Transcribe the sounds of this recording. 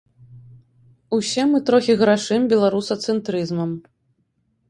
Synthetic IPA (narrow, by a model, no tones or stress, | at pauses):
usʲɛmɨt̪ɾɔxʲiɣɾaʂɨmbʲɛlˠaɾusɐt̪sɛnt̪ɾɨzmɐm